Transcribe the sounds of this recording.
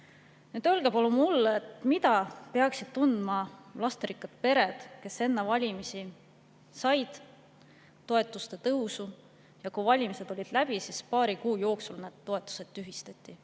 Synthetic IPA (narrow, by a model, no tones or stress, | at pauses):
nyːd̪̥ølɡ̥epɑlumulːet̪mit̪ɑpe̞ɑksid̪̥t̪und̪̥mɑlɑst̪ɾikːɑd̪̥̚pe̞ɾe̞d̪̥ke̞se̞nːevɑlʲimisi | sɑjd̪̥ | t̪ːo̞e̞t̪ːˑust̪e̞t̪ɤwsu | jɑkuvɑlʲimise̞d̪̥o̞lʲid̪̥læb̥isispɑːɾikuːjo̞ːksulned̪̥̚t̪ːo̞e̞t̪ːˑu̥se̞d̪t̪ːyɦist̪ɑt̪ʲˑːi